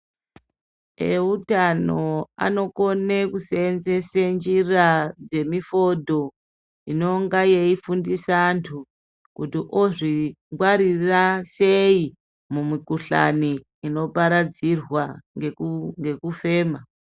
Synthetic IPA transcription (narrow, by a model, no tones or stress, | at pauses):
eutano̞a̰no̞ko̞nekusenzesend͡ʒirad͡ze̞mifo̞dʱo̞ | ino̞ŋɡajeifundisantʰu | kutiʔoʐiŋɡwaɾirasei | mumikuɬa̰niː | no̞paɾad͡zirwaeŋɡe̞kufe̞ːma